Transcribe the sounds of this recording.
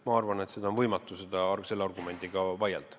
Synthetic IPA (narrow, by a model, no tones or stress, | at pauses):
mɑɑrvɑnet̪sed̪ɑonvɤjmɑt̪ːˑuse̞d̪ɑɑrse̞lːeɑrɡume̞nd̪̥iɡ̥ɑvɑjḛlt̪